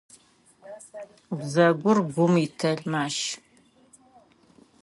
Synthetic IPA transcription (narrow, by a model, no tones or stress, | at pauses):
bzɐɡʷʊrɡʷʊmitʰɐɮmaːʃ